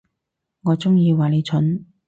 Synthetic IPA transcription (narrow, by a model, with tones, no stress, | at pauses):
ŋɔː˨˧t͡sʊ˥ŋjiː˧waː˨le˨˧jt͡sʰɵ˨˥n